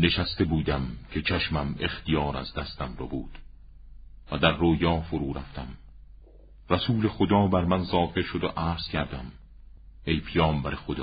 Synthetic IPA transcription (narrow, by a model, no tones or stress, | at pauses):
ne̞ʃæst̪e̞buːd̪æmcʰe̞t͡ʃʰæʃmæme̞xt̪ijɒːɾæ̰zd̪æst̪æmrɒ̰ːbuːd̪̥ | væd̪æɾːoːjɒːfoɾuːɾæft̪æm | ræsuːle̞xod̪ɒːbæɾmænzɒːfe̞ɾʃod̪oʔæːɾz̥kʰæɾd̪æm | e̞jpʰijɒːmbæɾexod̪ɒː